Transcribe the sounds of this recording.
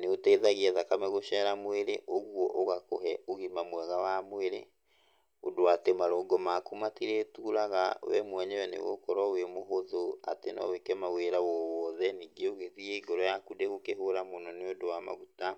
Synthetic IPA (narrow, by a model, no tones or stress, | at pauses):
neotɛðaɣiɛðakamɛɣoʃɛɾamoeɾeʔoɣwɔʔoɣakoɦɛoɣimamwɛɣawamoeɾe | o̰doatemaɾɔɡɔmakumatiɾetuːɾaɣa̰wɛ̰mwɛɲɛwɛnḛɣo̰kɔɾɔwemoɦoðoa̰tenɔ̰wekɛmaweɾawɔwɔðɛniːɡeoɣeðiɛiɡɔɾɔjakudeɣokeɦoɾamonɔneodowama̰ɣuta